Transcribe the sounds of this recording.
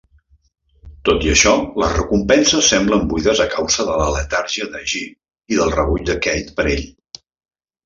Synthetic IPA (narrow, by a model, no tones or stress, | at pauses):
t̪ot̪iəʃɔləzrəkumpɛnsəsːɛmbləmbuiðəzəkawzəðələlət̪aɾʒiəðəʒi | iðəlˠrəβuʎd̪əkɛjt̪pəɾeʎ